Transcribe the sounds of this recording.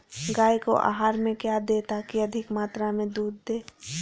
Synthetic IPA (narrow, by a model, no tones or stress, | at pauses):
ɡaːiko̰ʔa̰ːɦaːɾmẽkjad̪eːt̪akiɐd̪ʱɪkmaːt̪ɾamẽd̪uːd̪ːeː